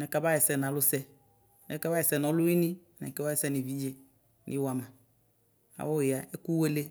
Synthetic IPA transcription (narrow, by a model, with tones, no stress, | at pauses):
nɛ˨ka˦ba˦jɛ˨sɛ˨nã˨lʊ˦sɛ˦ | nɛ˨ka˦ba˦ɛ˨sɛ˨nɔ̃˨˦lʊ˦i˦nĩ˦˨nɛ̰˨kɛ˦a˦ɛ˨sɛ˦ni˨vi˦d͡ʒe˦ | nʔḭ˦wa˨mã˨ | a̰˨wɔ˦ɪ˨a˨ɛ˦ku˦we˦le˦